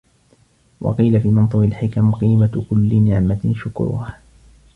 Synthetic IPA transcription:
wʔɑ̰qiːlafiːmɑnt̪ˤʊɾɪlħɪkamqiːmakʊlːɪnɪʕmaʃʊkɾʊ̰ha

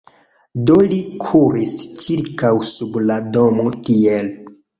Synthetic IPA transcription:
do̞likʰuɾist͡ʃiɾkawsublado̞motiel

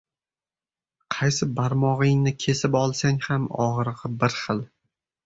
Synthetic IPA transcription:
qʰɑjsɪbaɾmɒʁɪŋnɪkʲʰe̞sɪpɒlˠsaŋhamɒ̰ʁɨɾʁɨbɪɾχɨlˠ

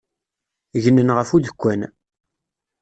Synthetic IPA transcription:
ʝənːənʁəfuðəkʷːæn

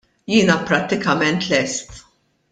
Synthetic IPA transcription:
jɪːnɐpɾɐt̪ːɪkɐmɛnt̪lɛst̪

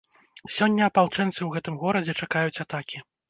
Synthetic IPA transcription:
sʲɔnʲːɐːpalˠt͡ʂɛnt̪sɨwɣɛt̪ɨmɣɔɾɐd͡zʲɛt͡ʂakajut͡sʲat̪akʲi

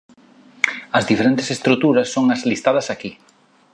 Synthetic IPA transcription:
ɐzðifeɾẽnt̪ɪ̥sest̪ɾut̪uɾɐsːoŋɐzlist̪aðɐsaki

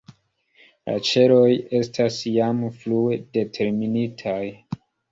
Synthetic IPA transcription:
la̰t͡ʃe̞lo̞je̞stʰasjamfluede̞tʰe̞ɾminitʰaj

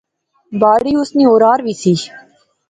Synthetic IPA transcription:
baːɽiːʊsniːoːɾaːɾʋiːsiː

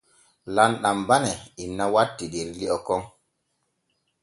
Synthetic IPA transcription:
lanɗambanɛinːawatːideɾliɔkɔŋ

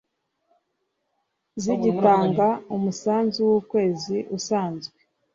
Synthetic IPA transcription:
ziɟitaːŋɡaumusaːnzuwuːkwe̞ːziʔusaːnzɡwe

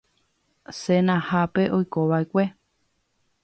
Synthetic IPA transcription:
senãhape̞ʔojkoʋaekʷe

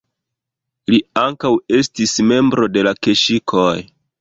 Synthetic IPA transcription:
liaŋkawe̞stisme̞mbɾo̞de̞lakeʃikʰoj

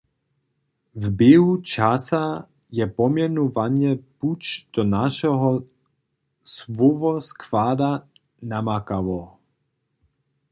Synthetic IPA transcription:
vbjɛɦut͡ʃasa | jɛpɔmjɛnuvaɲjɛput͡ʃd̪̥ɔnaʃɔɦɔ | svɔvɔskvaːd̪a | namakavɔ

